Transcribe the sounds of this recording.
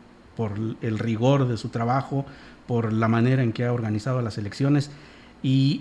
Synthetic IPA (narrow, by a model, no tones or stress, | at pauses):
po̞ɾe̞lriɣo̞ɾðe̞sut̪ɾaβaxo̞ | po̞ɾlamãne̞ɾae̞ŋkeao̞ɾɣanisaðo̞lase̞le̞ksjo̞ne̞s | i